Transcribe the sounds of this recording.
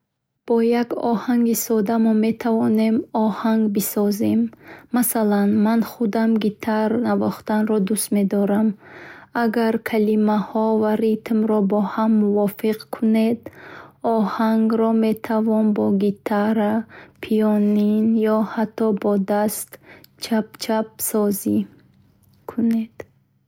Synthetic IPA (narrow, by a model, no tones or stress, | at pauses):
b̥ɔjaɡɔ̰haŋɡisɔd̪amɔme̞t̪ʰavɔne̞mɔhaŋɡbisɔzemːasalanmanχud̪amɡit̪ʰaɾnavɔχt̪anɾɔd̪ust̪me̞d̪ɔɾamaɡaɾkʰalimahɔvaɾit̪mɾɔbɔhamːuvɔfiqkʰune̞d̪ɔhaŋɡɾɔme̞t̪ʰavɔnbɔɡit̪ʰaɾapʰijɔninjɔhat̪ʰːɔbɔd̪ast̪t͡ʃʰapt͡ʃʰap̚sɔzi | kʰuned̪̥